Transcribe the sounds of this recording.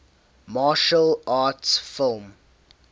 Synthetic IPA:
maːʃəlaːtsfɪlˠm

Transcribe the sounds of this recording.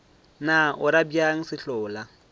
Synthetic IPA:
naʔʊɾabiaŋ̩sɪɬʊːla

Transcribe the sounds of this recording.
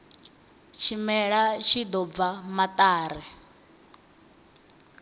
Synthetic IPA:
t͡ʃʰimɛɺaʃʰid̪ɔb̪vamat̪ʼaːɾɛ

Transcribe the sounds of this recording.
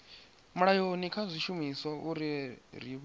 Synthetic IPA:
muɺajonikʰazʷiʃumisɔuɾiɾiβ

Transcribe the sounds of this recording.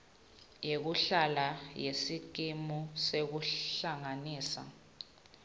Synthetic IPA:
jek̬uɬalajesik̬imusek̬uɬaŋaniːsa̰

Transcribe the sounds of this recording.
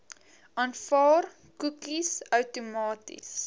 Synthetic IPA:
ʔɐnfɑːr | kukisœwtumɑːtḭs

